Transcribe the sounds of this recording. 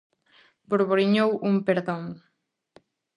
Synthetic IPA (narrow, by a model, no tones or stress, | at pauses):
boɾβoɾiɲowumpeɾðoŋ